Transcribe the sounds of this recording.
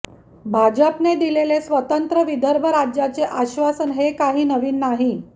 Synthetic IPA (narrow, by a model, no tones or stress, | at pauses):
bʱad͡ʑəpned̪ilelesʋət̪ənt̪ɾəʋid̪ʱəɾbʱəɾad͡ʑjat͡seʔaɕʋasənɦekaɦiːnəʋiːnːaɦi